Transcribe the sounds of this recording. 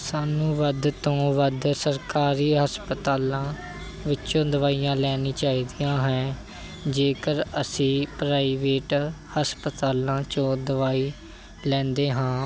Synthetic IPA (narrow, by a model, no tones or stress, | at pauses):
saːnũːʋəd̪t̪õːʋəd̪səɾkaːɾiːɦəspət̪aːlãː | ʋɪt͡ʃõːd̪əʋaːijãːlɛːnĩːt͡ʃaːiːd̪ijãːɦɛ̃ː | d͡ʒeːkəɾəsĩːpɾaːiːʋeːʈhəspət̪aːlãːt͡ʃõːd̪əʋaːiː | lɛ̃ːnd̪eːɦãː